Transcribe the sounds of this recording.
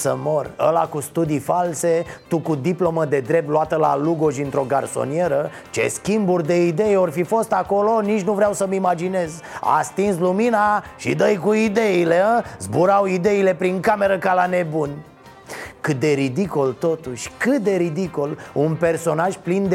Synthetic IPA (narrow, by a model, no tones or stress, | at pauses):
sə̰mo̞rə̰la̰kust̪ud̪ifalse̞t̪ukud̪iplo̞məd̪e̞d̪ɾep̚t̪luat̪əla̰luɡo̞ʃɨnt̪ɾo̞ɡa̰rso̞̰nie̞ɾə | t͡ʃe̞̰skʲimburʲd̪e̞id̪e̞jeo̞rfifo̞st̪ako̞lo̞nit͡ʃnuvɾeawsəmimad͡ʒine̞z | a̰st̪insluminaʃḭd̪əjkuid̪e̞ilezbuɾawid̪e̞ile̞pɾiŋkame̞ɾəkalane̞bun | kɨt̪̚d̪e̞ɾid̪ikolt̪o̞t̪uʃʲkɨt̪̚d̪e̞ɾid̪ikolunpe̞rso̞naʒplind̪